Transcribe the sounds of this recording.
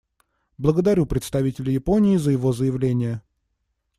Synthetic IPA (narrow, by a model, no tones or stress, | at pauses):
blˠəɡəd̪ɐɾʲupɾʲɪt̪st̪ɐvʲitʲɪlʲɪjɪponʲɪːzəjɪvo̞zəjɪvlʲenʲɪjə